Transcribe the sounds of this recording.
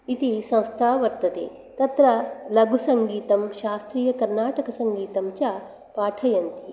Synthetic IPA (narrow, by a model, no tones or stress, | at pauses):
it̪isɐ̃w̃st̪ʰaːʋɐɾt̪ɐt̪ḛː | t̪ɐt̪ɾɐlɐɡʱusɐŋɡiːt̪ɐmʃaːst̪ɾiːjɐkɐɾnaːʈɐkɐsɐŋɡiːt̪ɐmt͡ʃja | paːʈʰɐjɐnt̪i